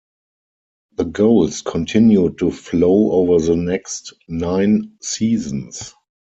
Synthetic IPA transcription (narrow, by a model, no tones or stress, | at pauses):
ðəɡoʊlskʰɔ̃ntʰɪ̃njutʰufloʊoʊvə˞ðənɛkstnãɪ̃nsiːzə̃ns